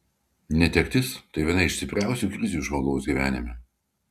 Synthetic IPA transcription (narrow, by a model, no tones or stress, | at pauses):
nʲɛt̪ʲɛkʲt̪ʲɪst̪ɐɪʋʲiɛnɐɪʃsʲɪpʲɾʲæˑʊsʲuːˑkɾʲɪzʲuːˑʒmoɡoʊsɡʲiːʋʲæ̰ːnʲɪmʲɛ